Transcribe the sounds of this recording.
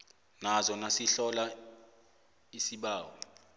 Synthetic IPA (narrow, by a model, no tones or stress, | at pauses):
nazɔnasiɬɔla | isiɓaːwɔ